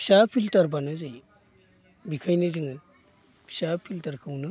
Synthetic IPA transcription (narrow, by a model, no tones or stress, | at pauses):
pʰi̥sapʰiltaɾbanɯzɯj | bikʰajnɯzɯŋɯ | pʰi̥sapʰiltaɾkʰɯwnɯ